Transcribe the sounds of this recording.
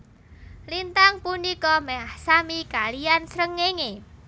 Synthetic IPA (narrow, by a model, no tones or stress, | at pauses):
lint̪aŋpunikɔmɛɦahsamikalijansɾəŋːeŋe